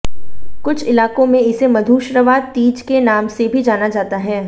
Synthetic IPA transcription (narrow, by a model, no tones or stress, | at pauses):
kʊt͡ʃʰɪlaːkõmẽɪsemɐd̪ʱuːʃɾəʋaːt̪iːd͡ʒkenaːmsebʱid͡ʒaːnad͡ʒaːt̪aɦɛː